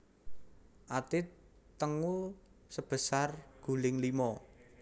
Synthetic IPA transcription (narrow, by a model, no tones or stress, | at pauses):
ʔat̪ɪt̪əŋusəb̥ə̤sarɡ̥ṳlɪŋlimɔ